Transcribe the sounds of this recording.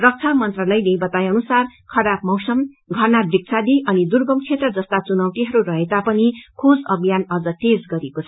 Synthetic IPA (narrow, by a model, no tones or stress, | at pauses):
rʌk̚t͡sʰamʌnt̪rʌlʌjnebʌt̪ajʌnusarkʰʌɾap̚mʌwsʌm | ɡʱʌrnad̪rik̚t͡sʰad̪iʔʌnid̪urɡʌmkʰet̪rʌd͡zʌst̪at͡sunʌwʈ̪iɦʌɾurʌɦet̪apʌnikʰod͡zʌbijanʌd͡zʌʈed͡zɡʌɾekot͡sʰʌ